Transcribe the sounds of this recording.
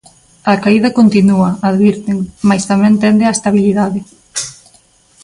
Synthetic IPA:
ɐkaiðɐkont̪inuɐaðβiɾt̪eŋmajst̪amɛ̃nt̪ɛnd̪ɪaest̪aβ̞iliðaðɪ

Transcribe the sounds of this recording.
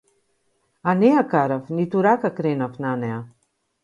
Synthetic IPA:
aneakaɾafnit̪uɾakakɾenafnanɛa

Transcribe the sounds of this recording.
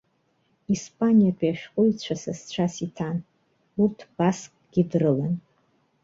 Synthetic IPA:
ispʼanijapʷʰʼiaʃᶣqʼʊjt͡ɕʷʰasast͡ɕʷʰasitʰan | urtʰb̥askʼɡ̥ʲidrɨlan

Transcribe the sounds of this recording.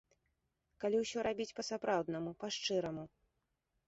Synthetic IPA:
kalʲiwsʲɔɾabʲit͡sʲpɐsapɾawd̪nɐmupaʂt͡ʂɨɾɐmu

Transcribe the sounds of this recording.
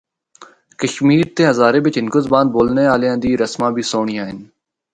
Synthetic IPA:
kəʃmiːɾt̪eːɦəzaːɾeːʋɪt͡ʃɦɪnkʊzbaːnd̪̚boːlneːaːljãːd̪iːɾəsmãːbʱiːsoːɳ̃iːaːɦɪn

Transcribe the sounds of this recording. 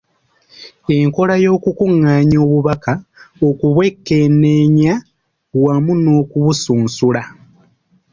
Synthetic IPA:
e̞ŋko̞lajo̞ːkukuŋːaɲo̞ːβuβakaokuβwekːe̞ne̞ɲa | wamuno̞ːkuβusuːnsula

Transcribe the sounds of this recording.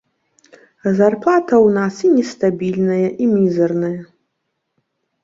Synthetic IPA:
zarplˠat̪ʰɐwnasinʲɛst̪abʲilʲnɐjɐʔimʲizɐrnɐjɐ

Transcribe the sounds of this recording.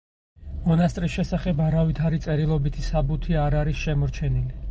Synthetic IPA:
mɔnast̪ʼɾisʃɛsaχɛbaɾavit̪ʰaɾit̪sʼɛɾilˠɔbit̪ʰisabut̪ʰiaɾaɾisʃɛmɔɾt͡ʃʰɛnili

